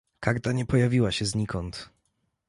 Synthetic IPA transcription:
kaɾt̪aɲɛpɔjavʲiwaɕɛzɲikɔnt̪

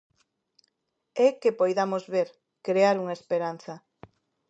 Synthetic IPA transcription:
ɛkepojðamozβeɾ | kɾeaɾuŋaespeɾan̟θɐ

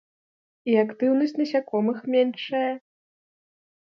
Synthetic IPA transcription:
iakt̪ɨwnɐsʲt͡sʲnɐsʲakɔmɨxmʲɛnʂɐjɐ

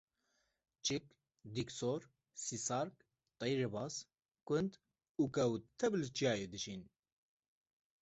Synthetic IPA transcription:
t͡ʃik | d̪iksoːɾ | sisɑːɾk | t̪ˤejɾɨbɑːs | kʷɨnd̪ | ukɐwt̪ʰɛblɨt͡ʃijaːjeːd̪ɨʃiːn

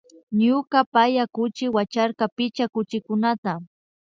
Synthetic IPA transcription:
ɲʊkapajakʊt͡ʃɪwat͡ʃaɾkapɪt͡ʃakʊt͡ʃɪkʊnat̪a

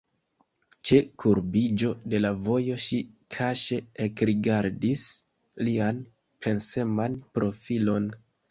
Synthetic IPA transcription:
t͡ʃe̞kʰuɾbid͡ʒo̞de̞lavo̞jo̞ʃikʰaʃe̞ekɾiɡaɾdis | lian | pʰe̞nse̞manpɾo̞filo̞n

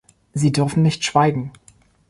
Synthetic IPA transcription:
ziːdʏɐfn̩nɪçtʃv̥aɪɡŋ̩

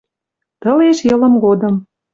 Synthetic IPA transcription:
t̪ɤ̆leʃjɤ̆lə̆mɡod̪ɤ̆m

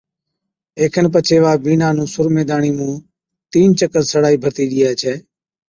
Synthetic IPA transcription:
eːkʰənp̬ət͡ʃʰeːʋaːbiːnaːnũːsʊɾmeːd̪aːɳiːmũː | t̪iːnt͡ʃəkət̪səɽaːiːbʱəɾt̪iːɗɪjaːt͡ʃʰɛː

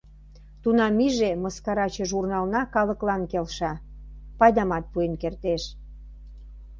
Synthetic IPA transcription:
t̪unɑmiʒemɤskɑɾɑt͡ɕəʒurnɑlnɑkɑləklɑnkelʃɑ | pɑjd̪ɑmɑt̪̚puenkert̪eʃ

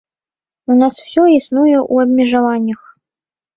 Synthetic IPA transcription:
unasw̥sʲɔisnujɛʔuɐbʲmʲɛʐɐvanʲːɐx

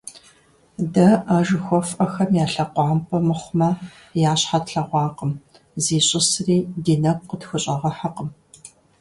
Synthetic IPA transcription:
dɐʔaːʒɨxʷɔfʔɐxɐmjaːɬɐqʷɑːmpʰʼɐmɨχʷmɐ | jaːɕħatɬɐʁʷɑːqəm | ziːɕʼɪsriːdiːnɐɡ̚ʷqətxʷʊɕʼɐʁɐħaqəm

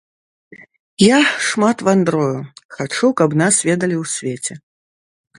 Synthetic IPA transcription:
jaʂmat̪vand̪ɾɔjuxat͡ʂukɐbnasvʲɛd̪ɐlʲiwsʲvʲet͡sʲɛ

